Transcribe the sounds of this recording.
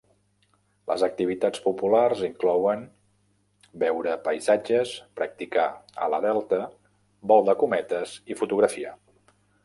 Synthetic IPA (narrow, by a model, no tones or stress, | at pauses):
lə̰zək̚t̪iβ̞it̪at͡spupularziŋklɔwən | bɛwɾəpəjzad͡ʒəspɾək̚t̪ikaə̰lə̰ðɛlˠt̪ə | bɔlˠd̪əkumɛt̪əzifut̪uɣɾəfia̰